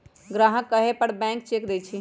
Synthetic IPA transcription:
ɡɾaɦəkːəɦepəɽbɛ̃ŋk̚t͡ʃekd̪et͡ʃʰi

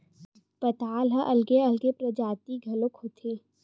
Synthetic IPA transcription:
pɐt̪aːlɦãʔɐlɡeɐlɡepɾɐd͡ʒaːt̪iɡʱɐlokhot̪ʰeː

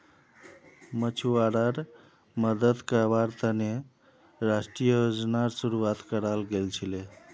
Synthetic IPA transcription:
mət͡ʃʰuaɽəɾ | məd̪əd̪kabaɾt̪əne | ɾasʈɾijəjod͡ʒnaɾsuɾuat̪kəɾalɡelt͡ʃʰile

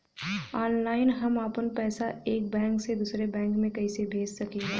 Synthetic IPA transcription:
aːnlaːɪnɦɐmaːpənpɛːsaeːk̚bɛ̃ːŋksed̪uːsɾebɛ̃ːŋkmẽkɐisebʱeːd͡ʒsɐkeɦɛ̃ː

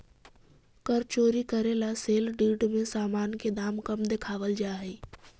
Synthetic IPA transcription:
kəɾt͡ʃoːɾikəɾelaseːlɖiːɖmẽsaːmaːnked̪aːmkəmd̪ekʰaːʋəld͡ʒaːɦeː

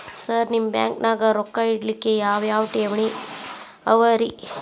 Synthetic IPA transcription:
sɐɾnimbja̰ːŋknaːɡɐɾokːaiɽlikːejaːʋjaːʋʈeːʋɳi | ɐʋɐɾi

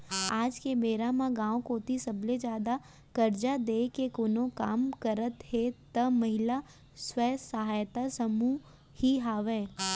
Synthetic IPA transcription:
aːd͡ʒkebeːɾamãɡãːokoːt̪isɐbled͡ʒjaːd̪a | kɐɾd͡ʒad̪eːkekonõkaːmkəɾət̪ɦet̪ɐmɐɦɪla | swɛːsɐɦaːjt̪asəmu | hiɦaːʋeː

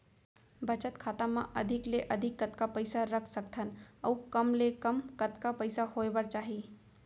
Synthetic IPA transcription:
bət͡ʃət̪kʰat̪amã̰ʔəd̪ʱɪkleʔəd̪ʱɪkːət̪kapəɪsaɾəkʰsək̚t̪ʰənə̰ukəmlekəmkət̪kapəɪsahoebəɾt͡ʃaːɦi

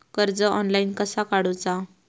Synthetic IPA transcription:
kəɾd͡zəʔɔnlainkəsakaɽut͡sa

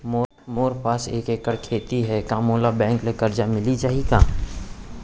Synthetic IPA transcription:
mo | moːɾpaːsḛːkekəɽkʰeːt̪iɦɛkãːmoːlabɛ̃ːŋklekəɾd͡ʒamɪlid͡ʒaːɦiɡaː

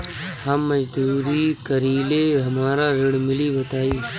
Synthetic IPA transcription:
hɐmːɐd͡ʒd̪uːɾikɐɾiːleɦɐmaːɾaɾɪɽmɪlibɐt̪aːiː

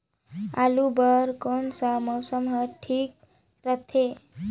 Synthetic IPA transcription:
a̰lubəɾkonsəmɔwsəmɦəʈʰiːk̚ | ɾət̪ʰe

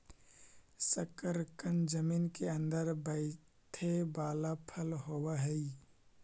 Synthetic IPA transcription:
səkəɾkənd͡ʒəmiːnkeɐ̃nd̪əɾbəɪ | t̪ʰebaːlapʰəlɦoːwaɦɛi

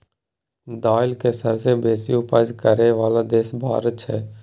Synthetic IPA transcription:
d̪aːɪlkeːsəbsebeːsɪjũpəd͡ʒkəɾeːʋaːlad̪eːsbʱa̰ːɾət͡ʃʰɛː

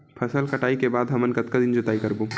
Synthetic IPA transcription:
pʰɐsəlkɐʈaːikebaːd̪ɦɐmənkɐt̪kad̪ɪnd͡ʒʊt̪aːikɐɾbuː

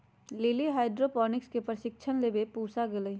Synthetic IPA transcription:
lɪliɦaːɪɖɾopɔːnɪkskepɾəʃɪk̚t͡ʃʰənlebepuːsaɡeləi

